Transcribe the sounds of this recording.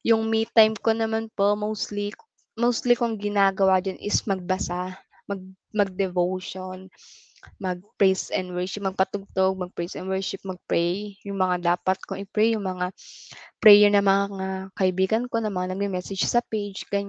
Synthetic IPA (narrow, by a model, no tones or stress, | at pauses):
jʊŋmit̪ːajmkonɐmanpomowst̪lik | mowst̪likoŋɡɪnaːɡɐwad͡ʒanʔɪ̰smɐɡ̚bɐsa | mɐɡ̚ | mɐɡ̚d̪ɛvowʃon | mɐɡ̚pɹɛsɛnwɛɹʃɪp̚mɐɡ̚pɐt̪ʊɡ̚t̪oɡ̚mɐɡ̚pɹɛsɛnwɛɹʃɪp̚mɐɡ̚pɹɛjjʊŋmɐŋad̪aːpɐt̪̚koʔɪpɹɛjʊŋmɐŋapɾɛjɛɹnɐmɐŋaŋakɐʔɪbiːɡɐnko̞nɐmɐŋanɐɡ̚d̪ɪmɛːsɛ̥d͡ʒsɐpejd͡ʒɡɐɲ